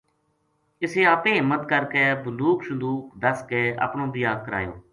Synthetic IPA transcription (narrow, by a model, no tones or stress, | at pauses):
ɪseːaːpẽːɦɪmːət̪kəɾkeːbənd̪uːksənd̪uːkd̪əskeːa̰ːpɳõːbiːaːk̚kːəɾa̰ːjo̰ː